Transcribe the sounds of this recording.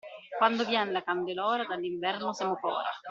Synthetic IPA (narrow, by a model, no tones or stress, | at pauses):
kwand̪ovjɛnlakand̪elɔːɾad̪alːiɱvɛrnosɛmokɔ̰ːɾa̰